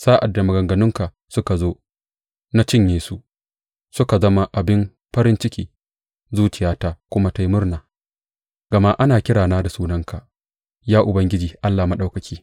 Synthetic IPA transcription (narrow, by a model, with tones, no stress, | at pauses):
saː˦ʔa˨dːa˨mɐ˨ɡɐ˨ŋɡɐ˨nʊ˦ŋka˨ | sʊ˦ka˨zoː˦ | na˦t͡ʃɪ˦ɲjeː˨˦su˨ʔ | sʊ˦ka˨zɐ˦ma˦ʔa˨bɪ˦m | ɸɐ˦ɾɪ˦nt͡ʃɪ˦kʲiː˦ | zuː˦t͡ʃɪ˨jaː˦taː˦kʷʊ˦ma˦ta˦jmʊ˦rnaː˨ | ɡ̥ɐ˨ma˦ʔa˦naː˨kʲɪ˦ɽaː˨naː˦da˨suː˦nɐ˦ŋka˨ | jaː˦ʔʊ˨bɐ˦ŋɡʲɪ˦d͡ʒiː˨ʔa˦lːaː˨ma˦ɗa˦wkɐ˨kʲiː˦